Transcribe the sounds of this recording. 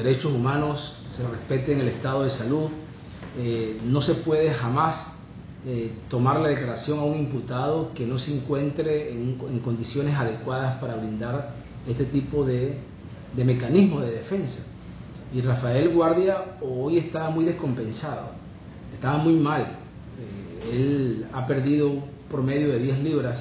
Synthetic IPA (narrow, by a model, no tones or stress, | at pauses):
eɾet͡ʃosumãno̞sːere̞spe̞t̪eŋe̞le̞st̪að̞o̞ð̞e̞saluð | eno̞se̞pwe̞ð̞e̞xamas | et̪o̞maɾlað̞e̞klaɾasjo̞ŋauŋimput̪að̞o̞ke̞no̞seeŋkwe̞nt̪ɾeŋeŋko̞nd̪isjo̞ne̞saðe̞kwaðaspaɾaβɾind̪aɾ | e̞st̪e̞t̪ipo̞ðe | d̪e̞me̞kanizmo̞ð̞e̞ðe̞fe̞nsḁ | irafae̞lɣwaɾðjaoje̞st̪aβmujðesko̞mpe̞nsaðo̰ | e̞st̪aβamujmal | eelape̞ɾðiðo̞ | poome̞ðjo̞ð̞e̞ðjesliβɾas